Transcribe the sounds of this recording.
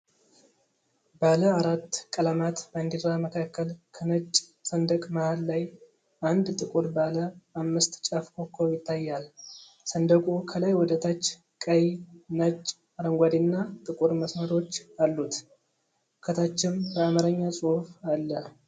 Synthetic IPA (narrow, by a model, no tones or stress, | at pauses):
baləaɾat̪ːkʼəlamat̪bəɨnd̪iɾaməkʰakːəlkʰənət͡ʃʼːsənd̪əkʼmahalːaj | ʔand̪t̪ʼɨkʼuɾbaləʔamːɨst̪t͡ʃʼafkʰokʰːojɪt̪ʰːajːal | sənd̪əɡʼukʰəlajwɔd̪ət̪ʰat͡ʃː | kʼəjnət͡ʃʼː | aɾəŋɡʷad̪inːat̪ʼɨkʼuɾməsməɾo̞t͡ʃːalːut̪ | kʰət̪ʰat͡ʃːɪmbəamaɾəɲːasʼuhfalːə